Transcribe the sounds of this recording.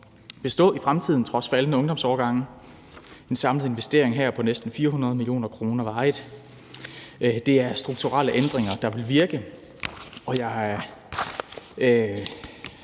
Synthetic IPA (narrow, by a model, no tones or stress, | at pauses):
b̥e̝sd̥ɔ̰̽ːifʁamt͡sʰið̞̰ˠn̩t͡sʰʁɒ̽sfælənəɔ̽ŋd̥ɒ̽msɒːɡ̥ɑ̈ŋ̰ | e̝nsɑ̈mləð̩ˠe̝nʋesd̥e̝ɐ̰eŋɦæɐ̰pʰɒ̽nesd̥n̩fiːɐɦunɐð̞̩ˠmilijo̝̰ːnɐkʰʁo̝ːnɐʋɑ̈ɪðˠ | d̥e̝æɐsd̥ʁuɡ̥t͡sʰuʁɑləʔend̥ʁeŋɐd̥ɑ̈ʋe̝lʋiɐɡ̥ə | ɒ̽jɑ̈ɪ